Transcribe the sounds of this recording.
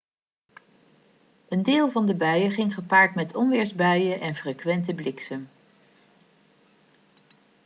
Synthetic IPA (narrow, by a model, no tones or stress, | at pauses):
əndɪːlˠvɑndəbœɥəχɪŋχəpaːɹtmɛtʰɔmʋɪːɹzbœɥəʔɛnfrekʋɛntəblɪksəm